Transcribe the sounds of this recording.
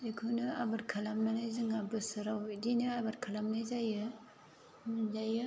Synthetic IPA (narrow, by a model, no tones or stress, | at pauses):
ekʰunɯabaɾkʰalamnanajzɯŋabɯsɯɾawdinɯabaɾkʰalamnajzajɯ | zajɯ